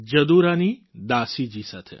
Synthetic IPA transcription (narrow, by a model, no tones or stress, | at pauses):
d͡ʒəd̪uɾanid̪aːsid͡ʒisat̪ʰḛ